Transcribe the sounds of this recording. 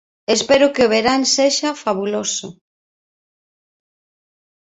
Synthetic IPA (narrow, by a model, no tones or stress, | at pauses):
espeɾʊkeʊβeɾaŋseʃɐfaβulosʊ̰